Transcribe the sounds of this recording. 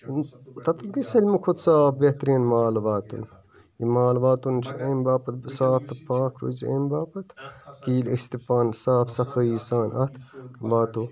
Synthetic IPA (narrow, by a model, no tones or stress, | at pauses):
t̪ɐt̪ɐlɡisɐlʲmikʰot̪saːfbeht̪ɾiːnmaːlʋaːt̪ṵn | jimaːlʋaːt̪unt͡ʃʰiʔɐmbaːpɐt̪̚saːp̚t̪ɐpaːkɾṵziḛmbaːpɐt̪kiːlist̪ipaːnsaːpsɐkɐjisaːnʔɐt̪ʋaːt̪u